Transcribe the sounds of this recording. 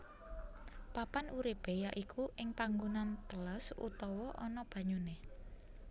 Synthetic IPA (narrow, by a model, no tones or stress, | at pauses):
papanuɾib̥e̤jaʔikʰuʔɪŋpaŋɡunant̪əlasṵt̪ɔwɔʔɔnɔb̥ä̤ɲone